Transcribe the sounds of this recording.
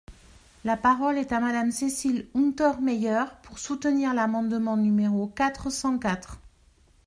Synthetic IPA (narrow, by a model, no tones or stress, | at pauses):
lapaʁɔlɛt̪amad̪amsesilũt̪ɔʁmɛjœʁpuʁsut̪əniʁlamɑ̃d̪mɑ̃nymeʁokat̪χəsɑ̃kat̪χ